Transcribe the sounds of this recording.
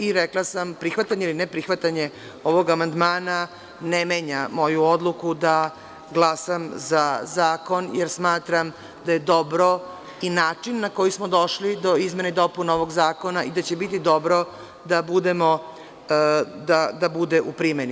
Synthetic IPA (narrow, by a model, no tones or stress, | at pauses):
iɾeklˠasampɾixʋat̪aɲeilinepɾixʋat̪aɲe | o̞ʋo̞ɡamand̪maːna | nemeɲamo̞juo̞d̪lukud̪a | ɡlˠasamzazaːko̞njeɾsmaːt̪ɾam | d̪aje̞d̪o̞bɾo̞ | inaːt͡ʂinːako̞jismod̪o̞ʃlid̪o̞izme̞neid̪o̞punaoʋo̞ɡzaːko̞naʔid̪at͡ɕebit̪̬id̪o̞bɾo̞ | d̪abud̪emo̞ | d̪ad̪abud̪eʔupɾimeni